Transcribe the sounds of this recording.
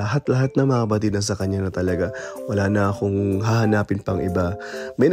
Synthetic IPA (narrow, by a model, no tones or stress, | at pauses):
ɐɦat̪lɐɦat̪̚nɐŋmɐŋɐbɐt̪̬iːd̪ɐns̬ɐkɐɲːanɐt̪ɐlɐɡawɐlaːnɐɐko̞ŋɦahɐnaːpɪnpɐŋʔɪbamɐjn